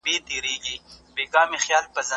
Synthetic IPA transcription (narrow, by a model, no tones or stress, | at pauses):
biːd̪iːɾiːɡibeːkaːmixjaːlpɐzɐ